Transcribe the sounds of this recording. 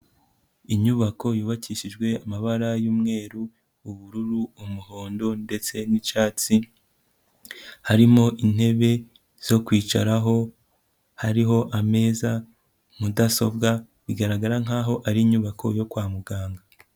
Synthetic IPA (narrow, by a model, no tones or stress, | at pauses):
iɲuβako̞juːβaciʃid͡ʒɡwe̞amaβaɾajuːmŋe̞ːɾuː | βuɾuɾuumuho̞ːndo̞nde̞t͡se̞nit͡ʃaːt͡si | haɾimo̞ʔin̥he̞βe̞ | z̥o̞kwiːt͡ʃaɾaɦo̞ | haɾiɦo̞ʔame̞ːza | mudaso̞bɡa | βiɡaɾaɡaɾaŋ̥aːɦo̞ʔaɾiːɲuβakʰo̞jo̞kwaːmuɡaːŋɡa